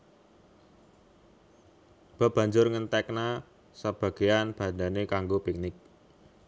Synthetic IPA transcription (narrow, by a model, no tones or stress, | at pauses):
b̥a̤b̥ä̤ɲd͡ʒʊrŋənt̪ɛkna | səb̥ä̤ɡ̥e̤janb̥a̤nanekaŋɡopik̚nɪk̚